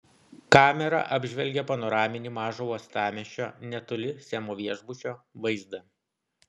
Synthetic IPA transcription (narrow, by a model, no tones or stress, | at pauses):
kɑːmʲɛɾɐ̰ʔɐbʲʒʲʋʲɛlʲɡʲɛpɐnɔɾɑːmʲɪnʲiːmɑːʒoːuɔst̪ɑːmʲɛʃʲo̰ːnʲɛt̪ʊlʲɪsʲɛmoːʋʲiɛʒbʊʃʲoːʋɐɪzd̪ɐ